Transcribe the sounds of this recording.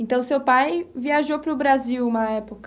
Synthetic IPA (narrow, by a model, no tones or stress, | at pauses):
ẽnt̪ɐ̃w̃sewpajviaʒowpɾʊbɾaziwumɐɛpok